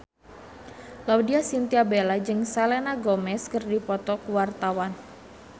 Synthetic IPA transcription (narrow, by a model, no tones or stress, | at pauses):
laudiasint̪iabelad͡ʒɨŋsalenaɡomɛskərdipɔt̪ɔkuwart̪awan